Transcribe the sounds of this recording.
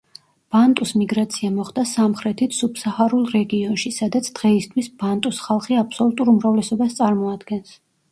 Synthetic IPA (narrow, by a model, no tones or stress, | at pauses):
b̥ant̪ʼusmiɡɾat̪sʰiamɔχd̪asamχɾɛt̪ʰit̪ʰsubsahaɾulˠɾɛɡiɔnʃisad̪at̪sʰd̪̥ʁɛist̪ʰwisb̥ant̪ʼusχalˠχiapʰsɔlˠut̪ʼuɾumɾavlɛsɔbast̪sʼaɾmɔad̪ɡɛns